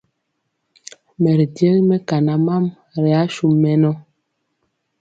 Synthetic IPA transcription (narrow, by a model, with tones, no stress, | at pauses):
mɛ˨ɾi˨dje˦lmɛ˦ka˨na˨ma˦m | ɾɛ˨a˨˦ʃu˦mːɛ˦nɔ˦